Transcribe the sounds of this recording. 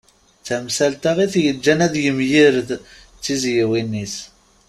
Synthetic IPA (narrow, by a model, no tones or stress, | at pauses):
t͡sæmsælt̪aʁiθjəd͡ʒːænæðjəmjiɾð | t͡sːizjiwinːis